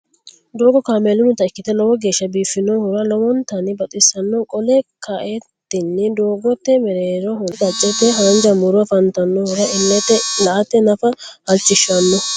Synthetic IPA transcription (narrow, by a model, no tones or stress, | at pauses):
d̪oːɡɔkaːmeːlʊnʊt̪ːɐɪkːɪt̪ɛlɔwɔɡe̞ːʃːɐbiːfɪnɔhʊɾɐlɔwɔnt̪ɐnɪbɐt̪ʼɪsɐnːɔkʼɔlɛkʰaʔet̪ːɪnːɪd̪oːɡɔt̪ːɛmɛɾeːɾɔhʊɡ̪ɐt͡ʃʼːɛt̪ːɛɦand͡ʒɐmʊɾʊɐfɐnt̪ɐnːɔhʊɾɐʔɪnːɛt̪ːɛlɐʔɐt̪ːɛnɐfɐhɐlt͡ʃːɪʃːɐnːɔ